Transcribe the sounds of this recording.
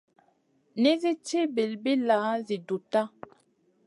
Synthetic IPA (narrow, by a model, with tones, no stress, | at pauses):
ni˦zi˦t͡ʃi˦be˨lbi˦la˨˦zi˨du˨ta˦